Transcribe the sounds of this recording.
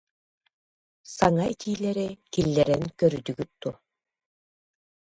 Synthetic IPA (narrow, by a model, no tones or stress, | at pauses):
saŋait̪iːlʲɛɾikilʲːɛɾɛnkœɾyd̪yɡyt̪̚ːuɐ